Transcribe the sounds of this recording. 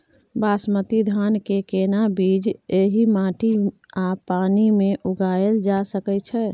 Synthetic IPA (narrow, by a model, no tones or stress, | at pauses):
baːsmət̪id̪ʱankekenabid͡ʒeɦimãʈiapanimẽʔuɡaəld͡ʒasəkɛt͡ʃʰɛ